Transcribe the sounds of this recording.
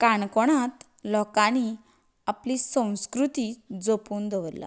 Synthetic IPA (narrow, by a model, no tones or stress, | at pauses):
kaɳkɔɽ̃at̪ | lɔkani | aplisə̃w̃skɾut̪iːd͡zopuːnd̪əʋəɾla̰